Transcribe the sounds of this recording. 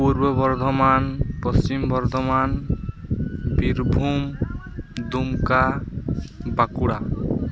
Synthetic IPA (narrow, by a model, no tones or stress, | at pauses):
puɾbɔbɔɾd̪ʱɔmanpɔst͡ʃimbɔɾd̪ʱɔman | biɾbʱum | d̪umka | bakuɽa